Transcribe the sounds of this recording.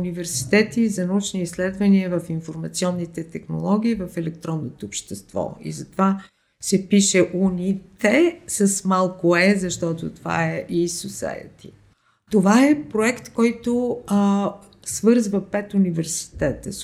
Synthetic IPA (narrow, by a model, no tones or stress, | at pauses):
ʊnivɛɾsi̥t̪ɛt̪izɐnɐut͡ʃniislɛd̪vəniəvɐfinfoɾmɐt̪siɔnːit̪ɛt̪ɛxno̰lˠɔɡ̟iːvɐfɛlɛkt̪ɾɔnːot̪oːpʃt̪ɛst̪vɔ̰ḭzɐt̪va | sɛpiʃɛʔunit̪ɛsɐsmalˠkoɛzɐʃt̪ɔt̪ot̪ova̰ɛʔisosa̰jə̰t̪ḭ | t̪ovaɛpɾoɛkt̪kɔjt̪o | svɤɾzvəpɛt̪univɛɾsi̥t̪ɛt̪ə̰